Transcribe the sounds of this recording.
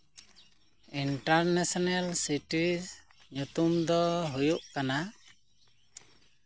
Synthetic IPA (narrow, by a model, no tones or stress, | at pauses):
iɳʈaɾnesɔnalsiʈiz | ɲut̪umd̪ɔɦujuʔkana